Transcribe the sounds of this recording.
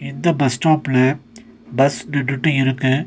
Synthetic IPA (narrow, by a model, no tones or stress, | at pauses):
ɪnd̪ɐbɐsʈaːpɪlɐ | bɐsnɪʈːɯʈːɯɪɾɯkːɯ